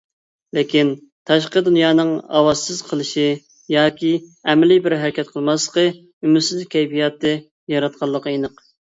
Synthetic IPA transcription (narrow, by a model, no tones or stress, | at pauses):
lɪkʲin | t̪ʰɑʃ̬qəd̪unjɑːnɨŋɑ̰wɑzsɨz̥qʰəlˠɨʃɪ | jɑːkʲiɛmɛlɪbɪɾɦɛɾkʲʰɛt̪̚qʰəlˠmɑslə̥qə | ymɪt̪sɪzkʲʰɛjbijɑt̪ʰːɛ | jɑɾɑt̪̚qʰɑlˠːəqəjinəq